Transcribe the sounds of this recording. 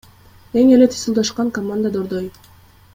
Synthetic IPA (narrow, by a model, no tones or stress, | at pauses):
eŋelet̪ʰi̥sɯlˠd̪ɑʃqɑŋkɐmand̪əd̪oɾd̪oj